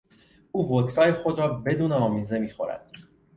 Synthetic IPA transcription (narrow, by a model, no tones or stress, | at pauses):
uːvot̪kʰɒːjexo̞d̪ɾɒːbe̞d̪uːneɒːmiːze̞miːxo̞ɾæ̰d̪̥